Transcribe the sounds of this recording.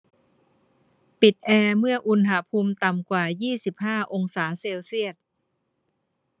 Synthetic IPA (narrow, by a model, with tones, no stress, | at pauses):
pi˨˩t̪̚ʔɛː˧mɯ˥˩ɐʔu˧nɦa˧pʰuː˧mt̪a˨˩mkwaː˨˩jiː˥˩si˨˩p̚haː˥˩ʔo˧ŋsaː˩˦seː˧wsi˥˩ət̪̚